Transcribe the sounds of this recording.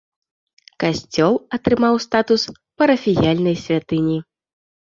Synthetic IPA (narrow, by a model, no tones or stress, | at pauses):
kasʲt͡sʲɔlˠɐt̪ɾɨmawst̪at̪us | pɐɾɐfʲijalʲnɐjsʲvʲat̪ɨnʲi